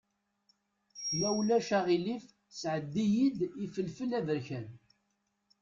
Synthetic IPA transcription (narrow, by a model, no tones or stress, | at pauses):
mæwlæʃæʁilif | sʕəd̪ːijid̪ifəlfəlævəɾçæn